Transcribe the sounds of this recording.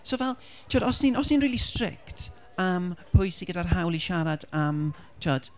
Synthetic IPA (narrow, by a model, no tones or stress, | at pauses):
soːvɛlˠ | tʰiwɔdɔsninɔsninriːlistrɪ̰kt | əmpʰʊjsiɡədarɦawlˠiʃaɾadam | tʰiɔd̥